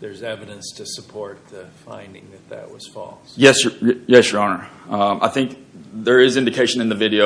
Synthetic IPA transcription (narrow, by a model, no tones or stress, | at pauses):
ðə˞zɛvɨɾɨ̃nstʰɨsəpʰɔɹt̪̚ðɨfã̰ɪ̃ndɪ̰̃ŋðɨt̪̚ðɨ̰ʔwʌ̰z̥fɔ̰lˠsjɛsəjɛsjə˞ɑnə˞ʌʔa̰ɪθɪ̃ŋk̚ðə˞ɪzɪ̃ndɨkʰeɪʃɨ̃nɨ̃nðɨvɪɾioʊ